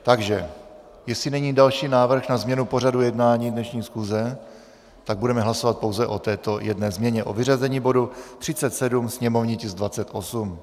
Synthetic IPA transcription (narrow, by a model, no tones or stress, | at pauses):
t̪aɡʒɛ | jɛsinɛɲiːdalʃiːnaːvr̩xnazmɲɛnupo̞radujɛdnaːɲiːdnɛʃɲiːsxuzɛ | t̪aɡ̚budɛmɛɦlaso̞vat̪̚po̞wzɛʔo̞t̪ɛːt̪ojɛdnɛːzmɲɛɲɛʔo̞vɪr̝azɛɲiːbo̞dut̪r̝̥ɪt͡sɛt̪sɛdumsɲɛmo̞vɲicɪzdvat͡sɛt̪ʔo̞sum